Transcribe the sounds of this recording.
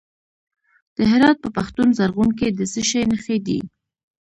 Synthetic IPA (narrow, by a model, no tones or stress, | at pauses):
d̪̥əɦɪɾɑt̪̚pəpaxt̪unzaɾɣunked̪əsəʃajnəxed̪ḭ